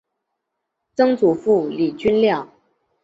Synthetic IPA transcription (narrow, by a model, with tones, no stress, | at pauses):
t͡sɤ˥ŋt͡su˨˩fu˥˩li˨˩t͡ɕy˥nljɑ˥˩ʊ